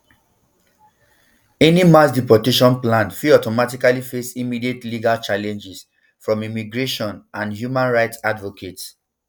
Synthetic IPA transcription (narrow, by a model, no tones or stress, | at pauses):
ɛnimasdipɔteʃɔ̃nplãnfiɔtɔmatikalifesimidietliɡalt͡ʃalɛ̃nd͡ʒis | fɹɔ̃mimiɡɹeʃɔ̃nʔãnhjumãnɹaɪtsadvɔkʰet